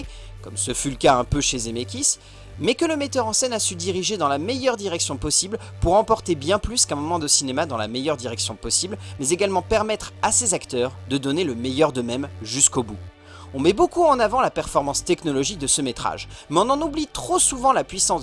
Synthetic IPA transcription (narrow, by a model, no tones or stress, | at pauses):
kɔmsəfyləkaɛ̃pøʃezemekʲis | mɛkələmɛt̪œʁɑ̃sɛnasəd̪iʁiʒed̪ɑ̃lamɛjœʁd̪iʁɛksjɔ̃pɔsibl | puʁɑ̃pɔʁt̪ebjɛ̃plyskɛ̃mɔmɑ̃d̪əsinemad̪ɑ̃la̰mɛjœʁd̪iʁɛksjɔ̃pɔsiblmɛzeɡalmɑ̃pɛʁmɛt̪χasezakt̪œʁd̪əd̪ɔneləmɛjœʁd̪əmɛmʒyskobu | ɔ̃mɛbokuɑ̃navɑ̃lapɛʁfɔʁmɑ̃st̪ɛknɔlɔʒik̚d̪əsəmet̪χa̰ʒmɛɔ̃nɑ̃nublit̪χosuvɑ̃lapɥisɑ̃s